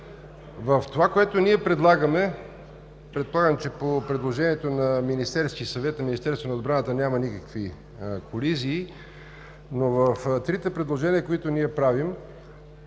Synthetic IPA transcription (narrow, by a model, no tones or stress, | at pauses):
vəft̪ovakoɛt̪oniɛpɾɛd̪lˠaɡəmɛ | pɾɛt̪̚polˠaɡəmt͡ʃɛpopɾɛd̪lˠoʒɛniɛt̪onɐminist̪ɛɾskisɐvɛt̪nɐminist̪ɛɾst̪vonɐod̪bɾanət̪ənʲamɐnikəkvi | koliziː | novəft̪ɾit̪ɛpɾɛd̪lˠoʒɛniəkoit̪oniɛpɾavim